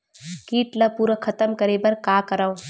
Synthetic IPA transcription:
kiːʈlɐpuːɾəkʰɐt̪əmkɐɾeːbɐɾkaːkɐɾao

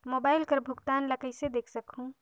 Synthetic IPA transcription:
mobaːɪlkəɾbʱʊɡt̪anləkəjsed̪eːkʰsəkɦũ

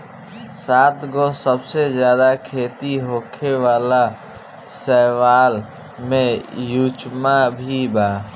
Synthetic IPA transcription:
saːt̪ɡɔsəbsed͡ʒjaːd̪akʰeːt̪iɦokʰeʋaːla | sɛʋaːl | mẽjut͡ʃmabʱibaː

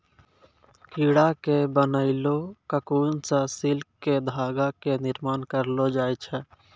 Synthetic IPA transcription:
kiːɽakebənəɪlokəkuːnsə̃sɪlkːed̪ʱaːɡakenɪɾmaːnkəɾlod͡ʒaːjt͡ʃʰɛ

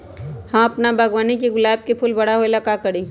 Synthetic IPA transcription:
hãɐpnabʱɐɡwaːnikeɡʊlaːb̚kepʰʊlbɐɽ̤aɦoelakakɐɽĩː

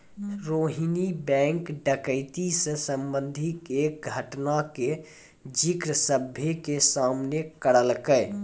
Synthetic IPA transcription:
ɾoːɦinibɛ̃ŋkɖəkəɪt̪isẽsəmbə̃nd̪ʱikeːk̚ɡʱəʈnake | d͡ʒikɾəsəbʱjekesamnekəɽəlkəɪ

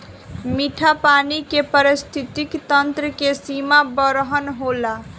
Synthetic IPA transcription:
miʈʰapanikepəɾist̪ʰit̪ikt̪ənt̪ɾəkesimabəɾəɦənɦola

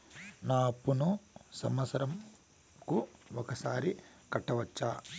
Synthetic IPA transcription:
naːpːunusɐmɐsɐɾɐm | kuɔkɐsaːɾi | kɐʈːɐʋɐt͡ʃːaː

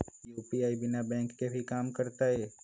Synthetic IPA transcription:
juːpiaːibɪnabɛ̃ːŋkːebʱikaːmkəɾt̪aɦɛː

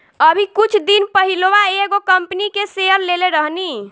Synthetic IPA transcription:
əbʱikut͡ʃʰd̪inpəɦiloʋaeeɡokəmpnikeseəɾleleɾəɦni

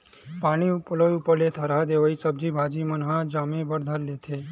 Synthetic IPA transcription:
paɽ̃iuplojupəlet̪ʰəɾad̪eʋaisəb̚d͡ʒibʱad͡ʒimənɦãd͡ʒamẽbəɾd̪ʱəllet̪ʰe

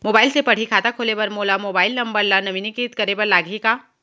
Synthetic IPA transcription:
moːbaːɪlsepɐɽ̤ikʰaːt̪akʰoːlepɐɾmoːlamoːbaːɪlnɐ̃mbəɾlanɐʋiːnikit̪kɐɾebɐɾlaːɡʱikaː

